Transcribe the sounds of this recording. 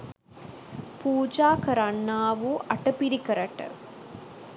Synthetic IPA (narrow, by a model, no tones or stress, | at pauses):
puːd͡ʒaːkɐɾɐɳːaːʋuʔɐʈːɐpiɾikɐɾɐʈːɐ̰